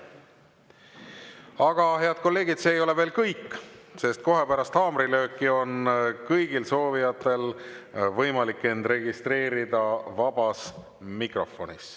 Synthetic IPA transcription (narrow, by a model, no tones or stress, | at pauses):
ɑɡ̥ɑhe̞ɑd̪̥̚ko̞lːe̞ːɡ̥id̪̥seːjo̞le̞ve̞ːlkɤjkːˑse̞st̪̚ko̞ɦe̞pæɾɑst̪ɑːmɾilø̞ːkːˑio̞nkɤjɡ̥ilso̞ːvijɑt̪ːˑe̞lvɤjmɑlikːˑe̞nd̪̥re̞ɡ̥ist̪re̞ːɾid̪ɑvɑbɑs | mikro̞fo̞̰nis